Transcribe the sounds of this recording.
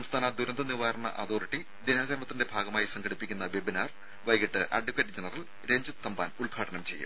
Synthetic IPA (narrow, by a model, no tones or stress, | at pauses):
sɐmst̪ʰaːnɐd̪uɾɐnd̪ʱɐniʋaːɾɐɳɐ̰ʔa̰d̪o̞ːriʈːi | d̪inaːɣɐɾɳɐt̪ːinde̞bʱaːɡɐmaːjisɐŋɡʰɐɽipːikʲːunːɐʋebinaːr | ʋɐjɡiʈːɨʔɐ̰ɖikɐɾd͡ʑenɐrɐl | ɾe̞ɲd͡ʑɨt̪ːɐmbaːnuɭɡʱaːɽɐnɐmt͡ɕe̞̰jːṵm